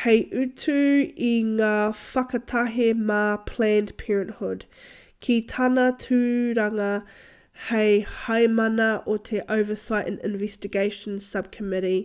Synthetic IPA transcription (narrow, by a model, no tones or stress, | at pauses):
hɛɪʔʉtʰʉiŋafakɐtʰaɦemapʰl̥æːndpʰɛːɹə̃nʔhʊd̥ | kʰitʰanɐtʰʉɾaŋɐ | heɪhaɪmanɐʔotʰeʔəʊvəsaɪʔə̃nɪ̰̃nvɛstɪɡeɪʃə̃nsɐb̚kʰəmɪɾi